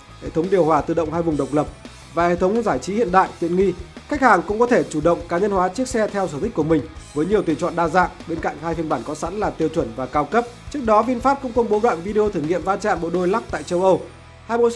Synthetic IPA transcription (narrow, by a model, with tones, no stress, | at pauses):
hḛ˧˨t̪ʰə˨˦wŋ͡mɗi˨˩əwhwaː˨˩t̪ɨ̰˧˩ɗə̰˧˨wŋ͡mhaː˧jvʊ˨˩ŋ͡mɗə˨˩wk͡p̚lə˨˩p̚ | vaː˨˩hḛ˧˨t̪ʰə˨˦wŋ͡mzaː˧˩jt͡ɕi˨˦hḭ˧˨ənɗa̰ː˧˨jt̪ḭ˧˨ənŋi˧xa˦˥k̟̚haː˨˩ŋkʊ̰˧˥ŋ͡mkɔ˨˦t̪ʰe˧˩t͡ɕu˧˩ɗə̰˧˨wŋ͡mkaː˨˦ɲə˧nhwaː˨˦t͡ɕɨ˦˥ək̚sɛ˧t̪ʰɛ˧wsəː˧˩t̪i˦˥k̟̚ku˧˩mï˨˩ŋ̟vəː˨˦jɲi˨˩əwt̪i˨˩t͡ɕwɔ̰˧˨nɗaː˧za̰ː˧˨ŋɓe˧nka̰˧˨jŋ̟haː˧jfi˧ənɓaː˧˩nkɔ˨˦sa̰˧˥nlaː˨˩t̪i˧əwt͡ɕwə˧˩nvaː˨˩kaː˧wkə˦˥p̚t͡ɕɨ˦˥ək̚ɗɔ˨˦vi˧ənfaː˦˥p̚kʊ̰˧˥ŋ͡mkə˧wŋ͡mɓo˨˦ɗwa̰ː˧˨nvi˧ɗe˧o˧t̪ʰɨ˧˩ŋḭ˧˨əmvaː˧nt͡ɕa̰ː˧˨nɓo̰˧˨ɗo˧jla˦˥k̚t̪a̰ː˧˨jt͡ɕə˧wʔə˧w | haː˧jɓo̰˧˥